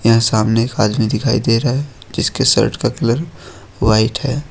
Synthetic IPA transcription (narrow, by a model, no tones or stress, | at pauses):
jɐɦãsaːmneeːkaːd̪mid̪ɪkʰaːid̪eːɾɐɦe | d͡ʒɪskesə̰ɾʈkakɪləɾ | waːɪʈɦɛː